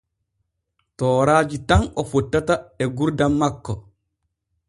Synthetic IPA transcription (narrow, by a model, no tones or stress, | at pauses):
tɔːɾaːd͡ʒitanɔfɔtːataɛɡuɾdamːakːɔ